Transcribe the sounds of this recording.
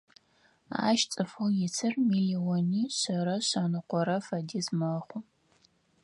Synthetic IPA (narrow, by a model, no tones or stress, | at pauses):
a̰ːʃt͡sʼɨfɨljɪt͡sʰɨrmiliwoniːɕɐɾɐɕɐnɨqʷɔɾɐfɐdiːzmɐχʷʊ